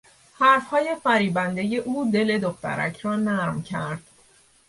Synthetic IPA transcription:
hæɾfhɒːje̞fæɾiːbænd̪e̞je̞ʔuːd̪e̞le̞d̪oxt̪æ̰ɾæ̰cʰɾɒːnæɾmcʰæɾd̪̥

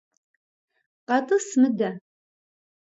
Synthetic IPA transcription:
qɑt̪ʼɨsmɨd̪a

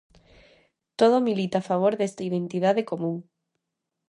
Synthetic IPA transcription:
t̪oð̞omilit̪aːfaβ̞oɾðest̪ɐiðent̪iðaðekomũŋ

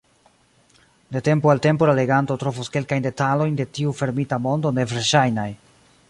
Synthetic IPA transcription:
date̞mpoalte̞mpo̞lale̞ɡanto̞tɾo̞vuske̞lkajnde̞talo̞jnde̞tiufe̞ɾmitamo̞ndo̞ne̞vɾʃajnaj

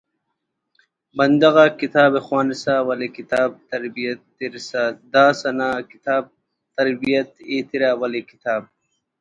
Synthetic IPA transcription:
bɐnd̪ɐɣaːkit̪aːbexwaːnisaːwɐlekit̪aːb̚t̪ɐɾbijɐt̪ːiɾsaːd̪aːsɐnaːkit̪aːb̚ | t̪ɐɾbijɐt̪eːt̪iɾaːwɐlekit̪aːb̚

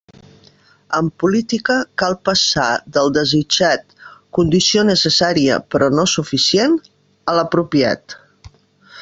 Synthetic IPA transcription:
əmpulit̪ikəkalˠpəsaðəlˠd̪əzid͡ʒat̪kund̪isionəsəsaɾiə̰pɾɔnosufisien | ələpɾupia̰t̪

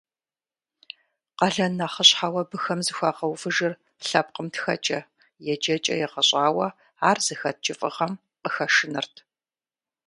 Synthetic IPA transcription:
qɐɮɐnːaχəɕħawɐbɨxɐmzɨxʷaːqɐwfɨʒɨr | ɬɐp̚qəmtxɐ̰t͡ʃʼɐ | jɛd͡ʒɐt͡ʃʼɐ̰jɛqɐɕʼaːwɐ | aːrz̥ɨxɐt̚t͡ʃʼɪfʼɨʁɐm | qəxɐʂɨnɨrtʰ

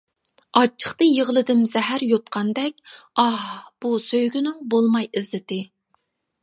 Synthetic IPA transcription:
ɑt͡ʃʰːə̥χt̪ɨjəʁəlˠɨd̪ɪmzɛɦæɾjot̪̚qʰɑnd̪ɛk̚ʲɑhb̥usøjɡʲynɪŋbolˠmɑjɪzlɪt̪ɪ

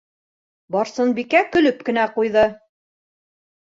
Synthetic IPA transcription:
bɑɾsɤnbikækɵ̆lɵp̚kɘ̆næqujðɤ

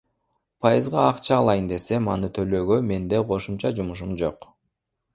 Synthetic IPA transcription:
pʰɑjɯzʁɑːqt͡ʃɑːlˠɑjɯnd̪e̞se̞mɑnɯt̪ʰø̞løːɡøme̞nd̪e̞qʰo̞ʃumt͡ʃɑd͡ʒumuʃ̬umd͡ʒo̞q

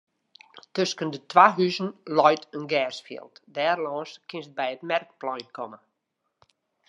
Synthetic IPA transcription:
tøskəndətʰwaɦyznlɔjtənɡɛːsfḭəlˠtdɛːrlɔːnskʰɪnsət̚bɛjətmɛrk̚plɔjkʰɔmə

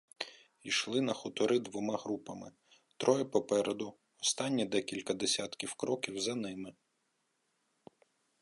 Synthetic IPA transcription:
ijʃlˠɪnɐxʊt̪ɔɾʔɪd̪ʋɔmɑɦɾupɐmɪ̰ | t̪ɾɔjɛpɔpɛɾʔed̪ʊ | ɔst̪ɑnʲːid̪ɛkʲilʲkɐd̪esʲɑt̪kʲiwkɾɔkʲiwzɐnɪmɪ

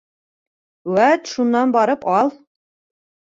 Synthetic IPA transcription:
wæt̪ʃunːɑnbɑɾɤpɑlˠ

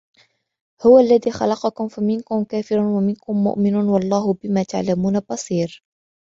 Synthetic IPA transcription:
hʊwaʔlːaðiːxɑ̰lɑqɑkʊmfamɪnkʊmkaːfɪɾʊnwamɪnkʊmːʊ̰ʔmɪnunwɑlˤːɑːɦʊbɪmaːt̪a̰ʕlamuːnabɑsˤiːɾ

